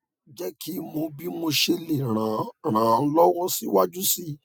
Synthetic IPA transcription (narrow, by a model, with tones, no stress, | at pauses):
d͡ʒɛ˦kʰi˦mo˧bi˦mo˧ʃe˧le˨ɾ̃ã˨ɾ̃ãː˨˧˦lɔ˦wɔ̃˦si˦wa˦d͡ʒu˦si˦